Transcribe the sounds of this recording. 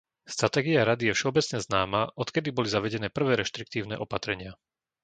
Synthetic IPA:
st̪ɾat̪ɛːɡiaɾad̪ijɛfʃɛɔbɛt͡sɲɛznaːmaʔɔt̪kɛd̪ibɔlizaʋɛɟɛnɛːpr̩ʋɛːɾɛʃt̪ɾik̚t̪iːʊnɛ̰ːʔɔpat̪ɾɛɲɪa

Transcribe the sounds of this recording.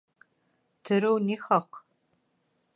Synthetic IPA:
tʰɨɾɨwniːxɐq

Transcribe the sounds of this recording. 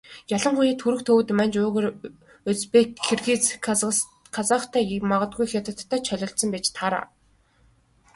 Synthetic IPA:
jaɮə̆ɴχujiːt̪ʰxuɾɘ̆xt̪ʰɵw̆t̪mænt͡ɕʊːɣeɾ | ɵt͡spekʰːerɣiːt͡s | kʰat͡saχt̪ʰæːmaʁə̆t̪̚ɡujxʲat̪ə̆t̪ʰːæːt͡ɕʰœɮʲɞ̆ɬsə̆mpʲet͡ɕt̪ʰaɾa̰ː

